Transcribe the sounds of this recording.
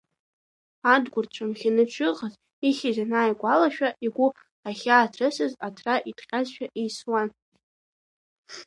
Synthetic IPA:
adɡʷʊrt͡ʃʷʰamχʲɪnɨt͡ʃʷʰɨqʼəz | iχʲizanaːjkʷʼalaʃᶣaʔiɡʷʊ | aχʲaːtʰrɨsɨzatʰraʔitʰʼχʲʼazʃᶣaʔejswan

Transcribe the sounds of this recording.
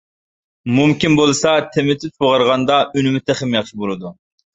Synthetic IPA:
mumkʲinbolˠɨsɑt̪ʰɛmɪt̪ʰyt̪̚boʁɑɾʁɑnd̪ɑynɪmɪt̪ʰɛχɪmjɑχʃibolˠɨd̪u

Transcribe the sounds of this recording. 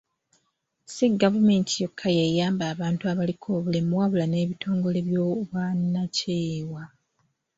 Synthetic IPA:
siɡavume̞ntʰijo̞kʰːajejaːmbaːβaːntuaβalikʰo̞ːβule̞mwaβulane̞ːβitʰo̞ːŋɡo̞le̞βjoːβwanːaceːwa

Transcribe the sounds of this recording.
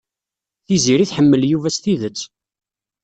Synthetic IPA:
θiziɾiθħəmːəljuvæsθiðət͡sː

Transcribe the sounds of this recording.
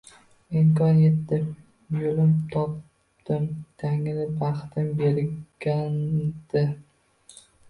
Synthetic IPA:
ɪmkʰɒnjet̪ːɪ | jolɪmt̪ʰɒp | t̪ɪmd̪̥ʰaŋɪnɪbaχt̪ʰɪmbe̞ɾɡ̥ʲand̪̥ɪ

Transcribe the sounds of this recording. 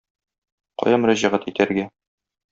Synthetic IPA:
qɒ̰jɑmɵ̆ɾæʑæʁæt̪it̪æɾɡæ

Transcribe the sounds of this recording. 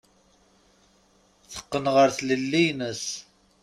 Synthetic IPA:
θə̥qːənʁəɾθləlːijnəs

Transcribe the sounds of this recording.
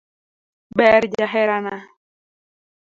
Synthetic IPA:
bɛɾd͡ʒaɦɛɾana

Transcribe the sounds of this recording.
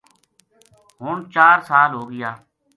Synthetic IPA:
ɦʊːɳt͡ʃaːɾsaːlɦoːɡɪjaː

